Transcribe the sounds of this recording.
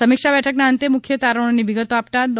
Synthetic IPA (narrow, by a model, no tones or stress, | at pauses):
əmikʂabɛʈʰəknaənt̪emukʰjət̪aɾəɳ̃nːiʋiɡət̪oapʈ̪ad̪